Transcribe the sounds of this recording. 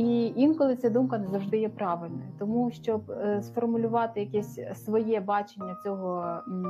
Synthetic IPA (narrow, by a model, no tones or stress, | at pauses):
iinkɔlˠɪt͡sʲɛd̪umkɐnɛzɐwʐd̪ɪjɛpɾɑʋɪlʲnɔjɐt̪ɔmuʃt͡ʃɔbsfɔrmʊlʲʊʋɑt̪ɪjɐkɛsʲsʋɔjɛbɑt͡ʃenʲːɐt͡sʲɔɦɔ